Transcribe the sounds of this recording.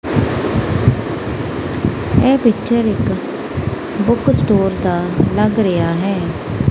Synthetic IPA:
ɛːpɪkt͡ʃəɾɪk | bʊksʈoːɾd̪aːləɡɾɪaːɦɛː

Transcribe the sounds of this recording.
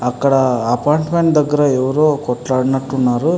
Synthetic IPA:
ɐkːɐɽɐɐpaːjɳʈmeɳʈd̪ɐɡːɐɾɐɛʋɐɾokɔʈlaːɽnɐʈːunːaːɾu

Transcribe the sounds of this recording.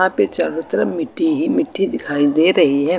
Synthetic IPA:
ãpet͡ʃɐɾʋət̪ɾəmɪʈʰːiɦimɪʈʰːid̪ɪkʰaːid̪eɾɐɦiɦɛ

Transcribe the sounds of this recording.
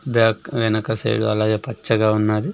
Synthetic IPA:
bjaːkʋɛnɐkɐsɐ̰jɽṵɐlaːɡeːpɐt͡ʃːɐɡaːunːaːd̪i

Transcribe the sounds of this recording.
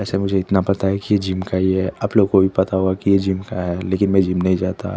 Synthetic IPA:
ɛːsemʊd͡ʒʱeɪt̪napɐt̪aɦɛkijed͡ʒimkaɦiɦɛɐploːɡkobʱipɐt̪aɦuakijed͡ʒiːmkaɦɛleːkɪnmɛ̃d͡ʒiːmnɐɦĩd͡ʒaːt̪a̰ː

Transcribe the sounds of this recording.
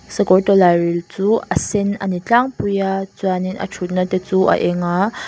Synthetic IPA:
sɐkɔɹtɔlaɹilt͡suɐsɛnɐnit͡ɬaŋpujat͡suaninʔɐ̰ʈ͡ʂʰut̪̚natɛt͡suʔɐ̰ʔɛŋa

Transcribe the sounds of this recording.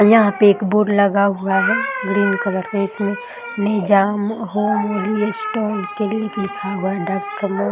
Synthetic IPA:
jɐɦãpeeːkboːɖlɐɡaɦuaɦɛɡɾiːnkɐʋəɾeɪsmẽ | nɛːd͡ʒaːmɦoliesʈɔːlkelieklɪkʰaɦuadaɾkəmõ

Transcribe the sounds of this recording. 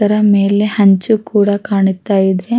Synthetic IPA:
ɐɾɐme̞ːlehɐɲt͡ʃukuːɽɐkaːɳut̪ːaːjid̪e

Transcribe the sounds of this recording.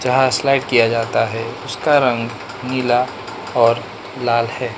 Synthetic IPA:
d͡ʒɐɦaslaɪʈkijad͡ʒaːt̪aɦɛʊskaɾɐ̃ŋɡ | niːla | ɔːɾ | laːlhɛː

